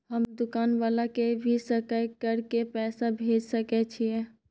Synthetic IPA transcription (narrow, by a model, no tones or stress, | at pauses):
ɦəmd̪ukanʋalakebʱisəkajkəɾkepɛsabʱed͡ʒsəkɛt͡ʃʰijɛ